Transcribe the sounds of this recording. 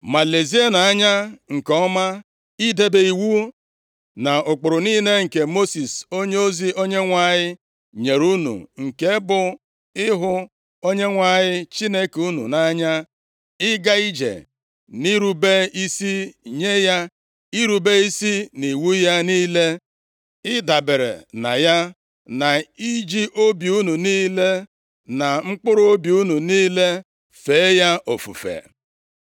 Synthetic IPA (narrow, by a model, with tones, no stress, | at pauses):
ma˨le˨zi˦a˦na˨a˦ɲa˦ŋ̩˨kɔ˨˦ma˦ | i˦de˦be˨i˨wu˦ | na˨ʊ˨k͡pʊ˨ɾʊ˨niː˦ne˦ŋ̩˨ke˨mo˦si˨so˦ɲe˦o˦zi˦o˦ɲe˦ŋʷa˦˨ɲɪ˦ | ɲe˨ɾu˦nṵ˨ŋ̩˨ke˦bʊ˦ | ɪ˦ɦʊ˦ | o˦ɲe˦ŋʷa˨ɲɪ˦t͡ʃi˦ne˦ku˦nṵ˨na˨˦a˦ɲa˦ | ɪ˦ɡa˦i˦d͡ʒḛ˨ | ni˦ɾu˦be˦i˦si˦ɲe˦ja˦ | i˦ɾu˨be˦i˦si˦ni˨wu˦ja˦niː˦le˦ | ɪ˦da˨be˨ɾḛ˨na̰˨ja˦ | na˨i˦d͡ʒi˦ʔo˦bju˦nu˨niː˦le˦ | na˨ŋ͡m̩˦k͡pʊ˦ɾʊ˦o˦bju˦nu˨niː˦le˦ | fe˨˦ja˦o˨fṵ˨fḛ˨